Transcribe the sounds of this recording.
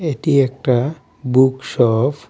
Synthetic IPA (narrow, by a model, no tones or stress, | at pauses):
eʈiek̚ʈa | buksɔp